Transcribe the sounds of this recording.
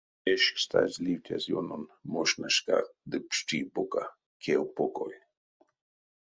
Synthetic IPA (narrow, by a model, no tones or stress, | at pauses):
eʃst̪a̰zliwtʲa̰zjononmoʃnaʃka̰d̪ɨpʃtiboka | kʰewpoko̰j